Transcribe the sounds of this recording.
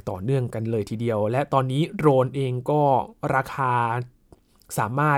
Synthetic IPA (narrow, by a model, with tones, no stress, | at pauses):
t̪ɔ̰ː˨˩nɯ˥˩əŋka˧nlɤː˧jt̪ʰiː˧di˧əwlɛ˦˥ʔt̪ɔː˧nːiː˦˥ɾoː˧nʔeː˧ŋkɔː˥˩ɾaː˧kʰaː˧ | saː˩˦maː˥˩